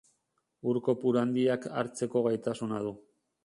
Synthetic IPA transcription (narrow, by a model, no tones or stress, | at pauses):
uɾko̞puɾand̪iaka̰ɾt͡se̞ko̞ɣajt̪asunað̞u